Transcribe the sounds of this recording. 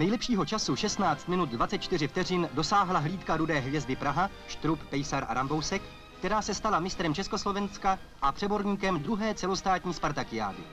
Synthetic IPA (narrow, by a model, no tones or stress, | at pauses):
nɛjlɛpʃiːɦo̞t͡ʃasuʃɛst̪naːt͡st̪mɪnut̪̚dvatt͡sɛt̪̚t͡ʃt̪ɪr̝ɪft̪ɛr̝iːndo̞saːɦlaɦliːt̪kaɾudɛːɦvjɛzdɪpɾaɦa | ʃt̪ɾupːɛjsaɾʔa̰ɾambo̞wsɛkː | t̪ɛɾaːsɛst̪alamɪst̪ɾɛmt͡ʃɛsko̞slovɛnska | ʔapr̥ɛbo̞ɾɲiːkɛmd̪ɾuɦɛːt͡sɛlo̞st̪aːt̪ɲiːspaɾt̪akɪja̰ːdɪ̰